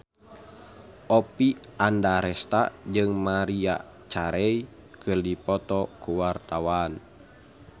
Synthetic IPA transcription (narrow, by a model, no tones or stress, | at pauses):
ʔɔpiʔandaɾɛst̪ad͡ʒɨŋmaɾia̰ | t͡ʃaɾɛi | kɨrdipɔt̪ɔkuwart̪awan